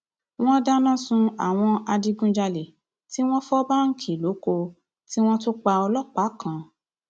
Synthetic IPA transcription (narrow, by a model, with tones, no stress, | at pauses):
w̃ɔ̃˦da˦nã˦˨sũ˧a̰˨w̃ɔ̃˧a˧di˧ɡũ˦d͡ʒa˧le˨ | ti˦w̃ɔ̃˦fɔ˦ba˦ŋ̩˦kʰi˦˨lo˨˦ko˧ | ti˦w̃ɔ̃˦to˦k͡pa˧ɔ˧lɔ˦˨k͡pa˨˦kʰã˨